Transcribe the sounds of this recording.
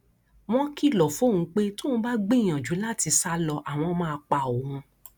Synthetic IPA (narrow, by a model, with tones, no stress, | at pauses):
w̃ɔ̃˦ki˦˨lɔ˨fo˦˨ũ˨˦k͡pe˦to˦ũ˦ba˦ɡ͡be˦˨j̃ã˨d͡ʒu˨˦la˦˨ti˧sa˦lɔ˧ʔa˨w̃ɔ̃˧mãː˦˧a˧k͡pa˧˨o˨hũ˧